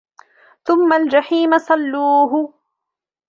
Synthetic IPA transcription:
θʊmːald͡ʒaħiːmasˤɑlːuːɦʊ

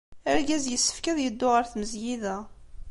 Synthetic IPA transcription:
æɾɡæzjəsːə̥fkæðjəd̪ːʊʁəɾθməzjiðæ

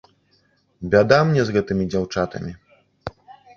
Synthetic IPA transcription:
bʲad̪amnʲɛzɣɛt̪ɨmʲid͡zʲawt͡ʂat̪ɐ̰mʲi

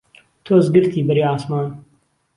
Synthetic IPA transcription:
t̪ʰoːzɡɨɾt̪ʰiːbɐɾiːaːsmaːn

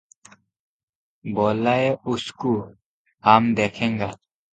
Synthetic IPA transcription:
boːlaːeʊskuː | haːmd̪eːkʰẽːŋɡaː

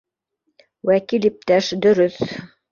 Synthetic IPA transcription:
wækilip̚t̪æʃd̪ɵ̆ɾɵθ

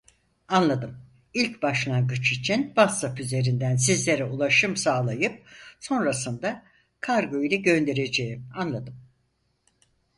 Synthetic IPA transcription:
anlˠad̪ɯm | ilʲcbaʃlˠaŋɡɯt͡ʃit͡ʃʰinbasapyze̞ɾind̪ænsizlʲe̞ɾɛulˠaʃɯmsaːlˠajɯp̚so̞nɾasɯnd̪a | kʰaɾɡo̞ilʲɛɟø̞nd̪e̞ɾe̞d͡ʒe̞jimanlˠad̪ɯm

